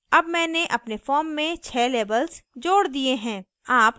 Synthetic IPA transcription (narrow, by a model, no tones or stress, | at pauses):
ɐbmɛ̃ːneʔɐpnefɔːɾmːẽt͡ʃʰɛːleːbəlzd͡ʒoːɽd̪ieɦɛ̃ː | aːp